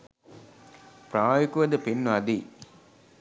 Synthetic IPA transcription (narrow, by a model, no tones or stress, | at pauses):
pɾaːjikuʋɐd̪ɐpenːuɐd̪iː